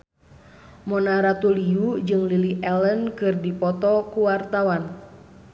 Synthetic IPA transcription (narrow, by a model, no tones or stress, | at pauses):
mɔnaɾat̪uliud͡ʒɨŋliliʔɛlənkɨrdipɔt̪ɔkuwart̪awan